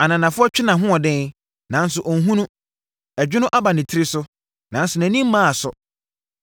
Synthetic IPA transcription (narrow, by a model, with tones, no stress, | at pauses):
a˨nã˨nã˨fʊ˦ɔ˦t͡ɕᶣɪ˦nã˨ɦʊ̃˦ɔ˨dɪ̃˦ | nã˨˦n˦sʊ˨ʔɔ˨n̩˨ɦũ˦nũ˦ | ɛ˨d͡ʑᶣɪ˦nʊ̃˦ʔa˦ba˨nɪ̃˨tʰɪ˦ɾi˦sʊ˦ | nã˨n˦sʊ˨næ̃˨˦nĩ˦m̩˦mã˦a˨sʊ̰˨